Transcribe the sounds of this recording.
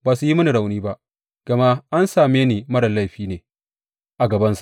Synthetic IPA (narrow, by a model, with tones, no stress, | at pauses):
baː˨su˨ji˦mɐ˦ni˨ɽa˨wniː˦ba˦ʔ | ɡ̥ɐ˨ma˦ʔa˦nsaː˨meː˦ni˨mɐ˦ɽɐ˨la˦jɸiː˦neː˨ | ʔa˨ɡɐ˨bɐ˦nsa˨ʔ